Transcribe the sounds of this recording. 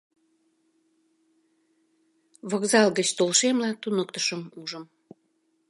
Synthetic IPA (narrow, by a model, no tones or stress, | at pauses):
βokzɑlɣət͡ɕt̪olʃemlɑt̪unək̚t̪ə̥ʃəmuʒəm